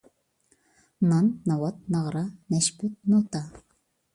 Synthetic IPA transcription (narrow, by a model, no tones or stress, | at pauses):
nɑnːɑwɑt̪̚nɑʁɾɑnɛʃpyt̪̚not̪ɑ